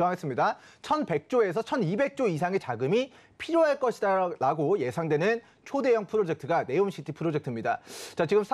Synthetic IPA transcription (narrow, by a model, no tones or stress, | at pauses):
es͈ɯmɲidat͡ɕʰʌnpe̞k̚t͡ɕ͈oe̞s̬ʰʌt͡ɕʰʌnibe̞k̚t͡ɕ͈ois̬ʰaŋe̞t͡ɕaɡɯmi | pʰiɾjoɦaɭk͈ʌɕʰidaaɡoje̞sʰaŋdwe̞nɯn | t͡ɕʰode̞jʌŋpʰɯɾod͡ʑe̞k̚tʰɯɡane̞onɕʰitʰipʰɯɾod͡ʑek̚tʰɯmɲida̰t͡ɕat͡ɕiɡɯmsʰ